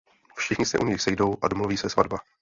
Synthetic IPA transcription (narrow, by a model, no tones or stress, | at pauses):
fʃɪxɲɪsɛ̰ʔuɲɪxsɛjdo̞wʔadomluviːsɛsvadba